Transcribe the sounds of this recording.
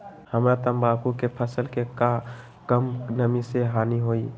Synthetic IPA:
həmɾat̪əmbakukepʰəsəlkeka | kəmnəmiseɦaːniɦoːi

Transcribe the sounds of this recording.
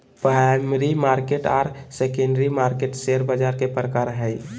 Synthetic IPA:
pɾamɾimaɾkeʈɔːɾsekẽɳɖɾimaɾkeʈseɾbəd͡ʒaɾkepɾəkaɾɦəj

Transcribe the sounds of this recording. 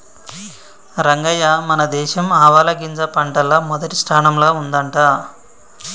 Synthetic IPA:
ɾɐŋɡɐjɐmɐnɐd̪ɛːʃɐmaːʋaːlɐɡind͡ʒɐpɐɳʈɐlɐmɔd̪ɐʈisʈʰaːnɐmloːund̪ɐɳʈaː

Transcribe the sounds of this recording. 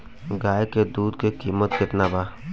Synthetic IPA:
ɡaːjked̪uːd̪kekiːmət̪̚kɪt̪nabaː

